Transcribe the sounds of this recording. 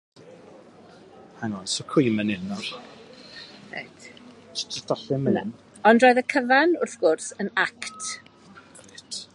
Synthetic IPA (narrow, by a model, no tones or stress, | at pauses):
hanɔnsɔkʰimənɪnɔr | ḛtʰ | tədɔɬɪmənɪn | ɔndroːɨðəkʰəvanʊrθɡ̥ʊrsənakt | ɪtʰ